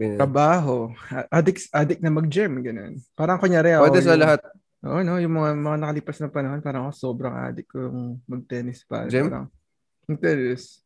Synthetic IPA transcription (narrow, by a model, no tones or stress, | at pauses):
ɾɐbaːɦoaʔad̪ɪksʔaːd̪ɪk̚nɐmɐɡ̚d͡ʒɛmɡɐno̞̰npaːɾɐŋkoɲaːɾɛwɛd̪ɛsɐlɐhat̪̚ | ʔo̰ːʔonojʊŋmɐŋamɐŋanɐkɐlipɐsnɐŋpɐnɐhonpaːɾɐŋɐkoso̞ːbɾɐŋʔa̰ːd̪ɪkːojʊŋmɐɡ̚t̪ɛːnɪspa̰ːɛɾɐ̰ŋ | mɐɡ̚t̪ɛnɪs